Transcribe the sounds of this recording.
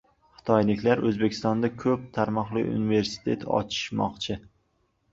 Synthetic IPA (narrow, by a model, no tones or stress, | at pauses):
χɨ̥t̪ʰɒjlɪkʲlaɾʔɵzbekʲʰɪ̥st̪ɒnd̪akʲʰɵp̚t̪ʰaɾmɒχlˠɪ̰ṵnɪve̞ɾsɪ̥t̪ʰe̞̰t̪ʰɒ̰t͡ʃʰɪ̥ʃmɒ̰qt͡ʃʰɪ